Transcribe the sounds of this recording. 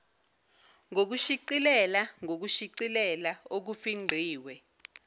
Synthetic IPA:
ŋok̬uʃiǀilɛlaŋok̬uʃiǀilɛlaok̬ufiŋ͡ǃʱiːwɛ

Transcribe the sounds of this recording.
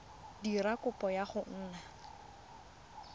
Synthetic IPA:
dirakʼʊpʼɔjaχʊn̩ːna

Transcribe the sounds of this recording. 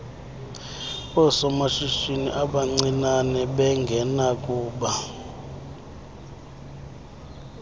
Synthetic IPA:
ɔsɔmaʃiʃinḭʔaɓaŋ͡ǀinanɛɓɛŋɡʱɛnakʼuːɓa

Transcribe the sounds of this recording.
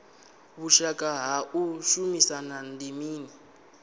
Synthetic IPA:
βuʃakaɦaʔuʃumisanandimiːni

